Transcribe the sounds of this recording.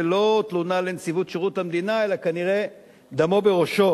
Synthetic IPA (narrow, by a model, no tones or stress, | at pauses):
lo̞t̪lunalent͡sivut̪ʃeʁutamd̪inae̞lakaniʁe̞ | d̪amo̞be̞ʁo̞ʃo̞